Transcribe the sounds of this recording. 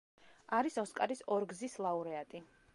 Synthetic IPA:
aɾisɔskʼaɾisɔɾɡzislˠauɾɛat̪ʼi

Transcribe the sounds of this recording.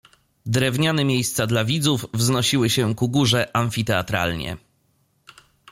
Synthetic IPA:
d̪ɾɛvɲanɛmʲjejst̪sad̪lavʲid̪zufvznɔɕiwɘɕɛkuɡuʐɛʔaɱfʲit̪ɛat̪ɾa̰lɲɛ̰

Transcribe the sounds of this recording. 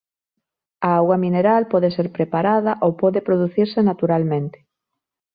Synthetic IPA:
aaɣwɐmineɾalpɔðeseɾpɾepaɾaðɐʔowpɔðepɾoðuθiɾsenat̪uɾalmẽnt̪ɪ̥

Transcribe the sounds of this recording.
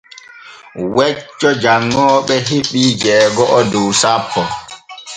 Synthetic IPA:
wɛt͡ʃːɔd͡ʒaŋːɔːɓɛɦeɓːid͡ʒɛːɡɔʔɔdowsapʰːɔ

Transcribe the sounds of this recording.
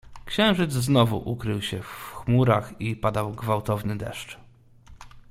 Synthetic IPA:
kɕɛ̃w̃ʐɘd̪zznɔvṵʔukɾɘwɕɛfxmuɾaxipad̪awɡvawt̪ɔvnɘd̪ɛ̰ʂt͡ʂ

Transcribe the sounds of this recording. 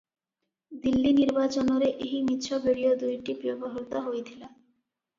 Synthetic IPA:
d̪ilːiniɾbat͡ɕonoɾeʔeɦimit̪ːɕʰobeɽiod̪ujʈipɾioboɦolt̪aɦojet̪ʰila

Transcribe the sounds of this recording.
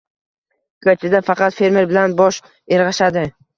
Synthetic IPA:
ɡ̥at͡ʃʰɪd̪afɑqɑt̪fe̞ɾme̞ɾbɪlanbɒʃ | eɾʁɑʃad̪ɪ

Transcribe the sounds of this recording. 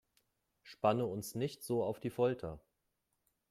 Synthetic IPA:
ʃpanəʊnsnɪçtz̥oːaʊfd̥iːfɔltʰɐ

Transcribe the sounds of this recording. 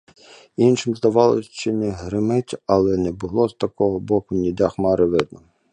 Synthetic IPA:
inʃɪmzd̪ɐʋɑlˠɔst͡ʃɪnʲɛɦɾɪmɪtʲɐlˠɛnɛbʊlˠɔzt̪ɐkɔɦɔbɔkʊnʲid̪ʲaxmɑɾɪʋɪd̪nɔ

